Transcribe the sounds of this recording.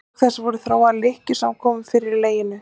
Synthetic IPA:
θɛsːvɔɾʏθɾaːwalɪhcʏsamkʰɔːmʏfɪɾɪɾleːjɪnːʏ

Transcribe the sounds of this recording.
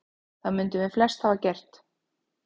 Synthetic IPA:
θaðmʏnt̪ʏmjɛflɛst̪havacɛr̥t̪

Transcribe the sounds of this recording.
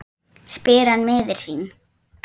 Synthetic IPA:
spɪːɾanmɪːðɪɾ̥siːn

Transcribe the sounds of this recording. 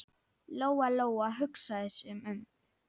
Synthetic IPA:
loːwaloːwaɦʏksaðɪsʏmʏm

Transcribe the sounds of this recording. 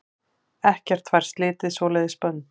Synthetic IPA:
ɛhcɛr̥t̪ʰfvajɾ̥st̪lɪːt̪ɪsvɔːlɛjðɪspœnː

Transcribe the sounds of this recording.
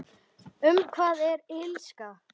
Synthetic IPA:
ʏmkʰvaːðɛɾɪlska

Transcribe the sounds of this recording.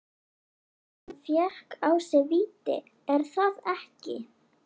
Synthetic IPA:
fjɛhkawsɛviːt̪ɪ̰ | ɛɾ̥θaðɛhcɪ̰

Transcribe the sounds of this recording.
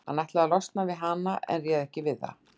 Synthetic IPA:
hanːɛht̪laalɔst̪navɪðɦanːaʔɛ̰nrjɛðɛhcɪvɪðθːa̰

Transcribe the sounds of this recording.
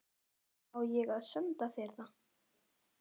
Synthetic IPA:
awjɛɣaðsœnt̪aθɛɾða

